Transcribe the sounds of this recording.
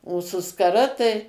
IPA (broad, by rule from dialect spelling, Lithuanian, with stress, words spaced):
oː sʊ skɐˈrɐ tɐɪ